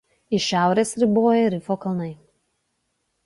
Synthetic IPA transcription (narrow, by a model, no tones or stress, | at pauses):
ɪʃʲæˑʊɾʲeːsɾʲɪboːjɛɾʲɪfoːkɐlˠnɐɪ